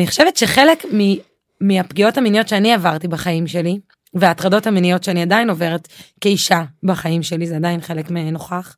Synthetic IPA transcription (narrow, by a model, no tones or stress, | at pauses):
niχoʃevetʃe̞χe̞lekmi | miapɡio̞thaminijo̞tʃeaniavaʁtibaχaimʃe̞li | veaːtʁado̞thaminijo̞tʃeaniadajino̞ve̞ʁetkeiʃabaχaimʃe̞lizeadajinχe̞lekmeno̞χaχ